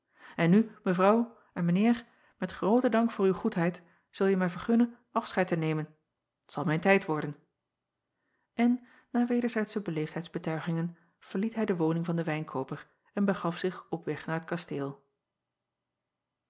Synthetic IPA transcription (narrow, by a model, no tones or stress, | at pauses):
ɛnːyməvrɑw | ɛnmənɪːɹ | mɛtχrowtədɑŋkfʊːɹywχutɦɛjt | z̥ɵlˠjəmaːɹvəɹχɵnənʔɑfsχɛjtənejmən | tsɑlˠmɛjntɛjtʋɔɹdən | ʔɛnː | aːɹʋejdəɹzɛjtsəbəlejftɦɛjdzbətœɥχɪŋən | v̥əɹlitɦɛjdəʋownɪŋvɑndəʋɛjnkʰoːwpəɹ | ɛnbəχɑfsɪχɔpʋɛχnaːɹət̚kɑsteːlˠ